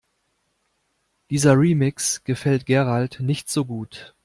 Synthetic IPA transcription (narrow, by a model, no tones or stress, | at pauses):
d̥iːzɐʁiːmɪksɡ̥əfɛltɡ̥ɛʁaltnɪçtz̥oːɡuːt